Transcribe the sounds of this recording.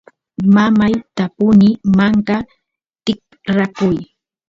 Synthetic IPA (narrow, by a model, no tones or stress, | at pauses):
mamajt̪apʊnɪmaŋka | t̪ɪk̚ | ɾakʊj